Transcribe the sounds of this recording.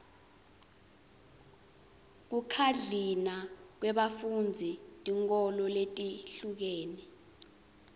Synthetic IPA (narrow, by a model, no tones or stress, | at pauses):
k̬ukʰaɮinak̬wɛɓafund͡zʱitʼiŋkɔlɔletʼiɬuk̬eːni